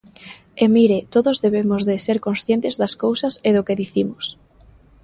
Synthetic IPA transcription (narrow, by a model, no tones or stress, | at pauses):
emiɾet̪oðozðeβemʊzðɪseɾkonsθjent̪ɪzðɐskowsɐseðʊkeðiθimʊs